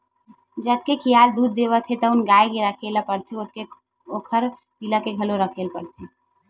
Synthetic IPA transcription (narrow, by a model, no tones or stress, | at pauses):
d͡ʒəd̪kekʰɪjaːld̪uːd̪̚ːeːʋət̪ʰet̪ɔʊnɡaːekeɾəkʰelapəɽt̪ʰeʊke | oːkʰəɾ | piləkeɡʱəloɾəkʰeːlpəɽt̪ʰe